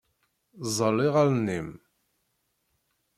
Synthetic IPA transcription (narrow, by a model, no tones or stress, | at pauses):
zˤəlːiʁaɾnːim